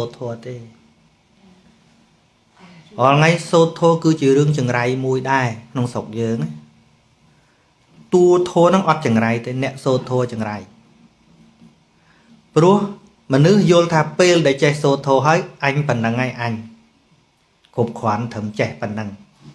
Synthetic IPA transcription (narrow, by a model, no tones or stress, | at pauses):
oːt̪ʰɔːət̪eː | ʔɑːlŋajsoːt̪ʰːoːkɨːt͡ɕiəɾɨəŋt͡ɕɑŋrajmuəjɗaɛkʰnoŋsok̚jəːŋ | t̪uət̪ʰɔːənɨŋʔɑt̪̚t͡ɕɑŋrajt̪eːnɛ̆əʔsoːt̪ʰːoət͡ɕɑŋraj | prŭəh | mə̆nɨhjʊ̆əlt̪ʰaːpeːlɗaɛlt͡ɕehsoːt̪ʰːoːɦaəjʔaɲpənːəŋːaɛjʔaɲ | kʰup̚kʰŏənt̪ʰəmt͡ɕehpənːəŋ